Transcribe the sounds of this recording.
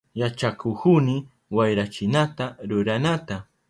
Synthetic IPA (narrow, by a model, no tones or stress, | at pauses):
jat͡ʃakʊkʊnɪ | wajɾat͡ʃɪnat̪aɾʊɾanat̪a